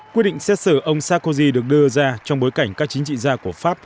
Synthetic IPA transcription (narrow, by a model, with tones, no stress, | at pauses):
kwi˦˥t̚ɗḭ˧˨ŋsɛ˦˥t̚sɨː˧˩ʔə˧wŋ͡msaː˦˥ko˧zi˧ɗɨ˨˩ək̚ɗɨ˧əzaː˧t͡ɕɔ˧wŋ͡mɓo˨˦jka˧˩jŋ̟kaː˦˥k̚t͡ɕi˨˦ŋ̟t͡ɕḭ˧˨zaː˧ku˧˩əfaː˦˥p̚